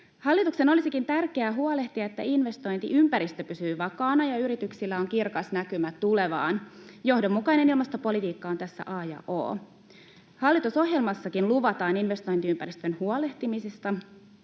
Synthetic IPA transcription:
hɑlːit̪ukse̞no̞lisikint̪ærke̞æɦuole̞ht̪iɑet̪ːæ̰inʋe̞st̪o̞jnt̪ḭʔympæɾist̪øpysyːʋɑkɑːnɑjɑyɾit̪yksilːæo̞ŋkirkɑsnækymæt̪ule̞ʋɑ̰ːnjo̞hdo̞mːukɑine̞nilmɑst̪o̞po̞lit̪iːkːɑont̪æsːæ̰ʔɑːjɑ̰ʔo̰ː | hɑlːit̪uso̞ɦje̞lmɑsːɑkinluʋɑt̪ɑːninʋe̞st̪o̞jnt̪iympæɾist̪ønhuole̞ht̪imisist̪ɑ

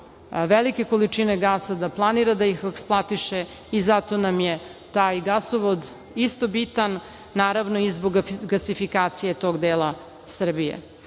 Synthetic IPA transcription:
ʋelike̞ko̞lit͡ʂineɡaːsad̪aplˠaniɾad̪aixeksplˠat̪iʃe | izat̪o̞namjet̪aːjɡasoʋod̪ | ist̪o̞bit̪anː | aːɾaʋnoizboɡɡasifikaːt̪sije̞t̪o̞ːɡd̪eːlˠa | sr̩bijḛ

